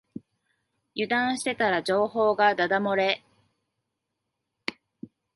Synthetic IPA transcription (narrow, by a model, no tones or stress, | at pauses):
jɯ̟d̪ãɰ̃ɕi̥t̪e̞t̪aɾad͡ʑo̞ːho̞ːɡad̪ad̪amo̞ɾe̞